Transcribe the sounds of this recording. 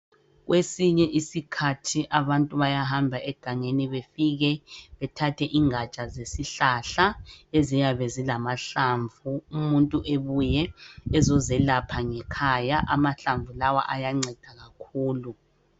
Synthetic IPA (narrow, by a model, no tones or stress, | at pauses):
ɣwesiɲɛʔisikʰatʰiʔaβantʼuβajaɦambʱaʔɛɡ̥ʱaŋeniβefiɣɛβɛtʰatʰɛʔiŋat͡ʃʼazesiɬaɬaezijaβɛzilamaɬaɱvuumuntʼuʔeβujɛɛzɔzɛlapʰaŋɛkʰajaʔamaɬaɱvulawa̰ʔajaŋ͡ǀɛd̥ʱaɣakʰuːlu